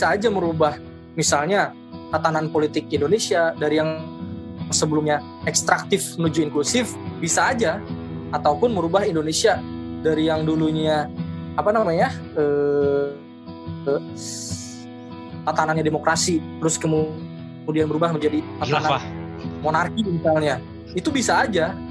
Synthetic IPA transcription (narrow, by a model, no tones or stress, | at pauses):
bisaːd͡ʒaməɾubah | misalɲa | t̪at̪ananpolit̪ɪkindonesiadaɾijaŋ | səbəlumɲa | ɛkst̪ɾak̚t̪ɪfmənud͡ʒuiŋklusɪfbisaːd͡ʒaː | t̪awpʊnməɾubaɦindonesiadaɾijaŋduluɲaapanamaɲa | ə | ə | t̪at̪ananɲademokɾasit̪əɾʊskəmu | əmudianbəɾubahməɲd͡ʒadit̪aana | monarkimisalɲa | it̪ubisaːd͡ʒa